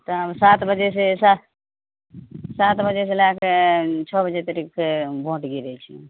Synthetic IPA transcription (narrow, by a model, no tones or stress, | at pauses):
t̪əsat̪bəd͡ʒesesa | sat̪bəd͡ʒes̬elakʰet͡ʃʰɔbəd͡ʒet̪əɾikʰebʱõʈɡiɾɛt͡ʃʰḭ